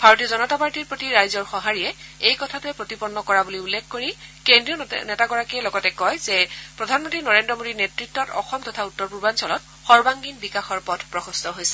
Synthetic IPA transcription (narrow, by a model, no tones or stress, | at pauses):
b̥ʱaɹotiɔzɔnɔtapaɹtiɹpɹotiɹajzɔɹxɔɦaɹijɛejkɔtʰatʊɛpɹotipɔnːɔkɔɹabuliulːekʰkoɹikendɹiɔnɛtaɡɔɹakiɛlɔɡɔtɛkɔjzɛpɹɔdʱanmɔntɹinɔɹendɹɔmodinetɹitːɔtɔ̰xɔmtɔtʰautːɔɹpuɹbansɔlɔt | xɔɹbaŋɡinbikaxɔɹpɔdʰpɹɔxɔstɔɦojsɛ̥